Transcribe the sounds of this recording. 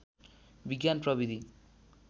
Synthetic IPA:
biɡjanprʌbid̪ʱi

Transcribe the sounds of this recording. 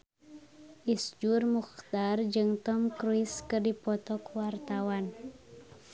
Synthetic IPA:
ʔisd͡ʒurmuxt̪ard͡ʒɨŋt̪ɔmkɾuiskɨrdipɔt̪ɔkwart̪awan

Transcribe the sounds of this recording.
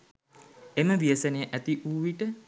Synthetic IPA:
eməʋiəsənejəʔæt̪iʔuːʋiʈə

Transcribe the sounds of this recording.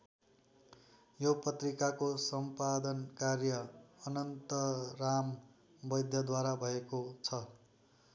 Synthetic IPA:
jopʌt̪rikakosʌmpad̪ʌnkarjʌʌnʌnt̪ʌram | bʌjd̪ʱjʌd̪waɾabʱʌekot͡sʰʌ

